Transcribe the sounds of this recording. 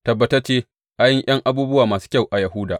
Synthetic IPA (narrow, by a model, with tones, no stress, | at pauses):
tɐ˨bːɐ˦tɐ˦t͡ʃeː˦ | ʔa˦jɪ˦ŋj̰ʔɐ˦ŋʔa˨buː˦bʊ˦waː˨maː˨su̥ː˦kʲa˦˨wʔa˨jɐ˨ɦʊ˦daː˨